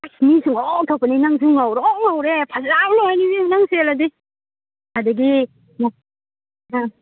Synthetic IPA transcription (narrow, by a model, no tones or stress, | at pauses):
ajsnisʰɯŋɔtʰawpaninaŋs̬uŋawɾɔŋawɾepʰazawlɔhajnibinaŋseladi | adaɡi | na | a